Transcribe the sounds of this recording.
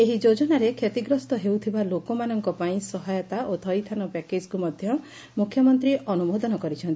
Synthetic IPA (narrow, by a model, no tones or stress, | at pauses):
eɦid͡ʒod͡ʒɔnaɾekʰet̪iɡɾɔst̪ɔɦewt̪ʰibalokomanɔŋkɔpaĩsɔɦajɔt̪aʔot̪ʰɔjt̪ʰanɔpɛked͡ʒkumɔd̪ʱjɔ | mukʰjɔmɔnt̪ɾiʔɔnubod̪ɔnɔkɔɾit͡ʃʰɔnt̪ii